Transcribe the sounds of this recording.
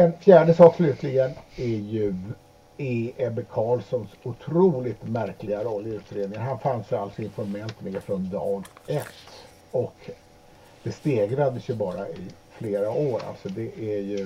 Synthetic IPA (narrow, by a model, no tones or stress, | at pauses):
ɛnfjæːɖəsɑːkslʉ̟ːt̪ʰlɪɡənæɾjɵ | eɛbəkʰɑːlsɔnsʊt̪ʰɾuːlɪt̪mæɾklɪɡaɾɔlːəɾʉ̟ːt̪ɾeːd̪nɪŋənɦanfansjalsɔɪnfɔɾmɛlt̪meːfɾɔnd̪ɑːɡɛt̪ː | ɔk | d̪̥ɛst̪eːɡɾad̪əsjɵbɑːɾaɪ | fleːɾaʔoːɾa̰lt̪sɔd̪ɛʔæjɵ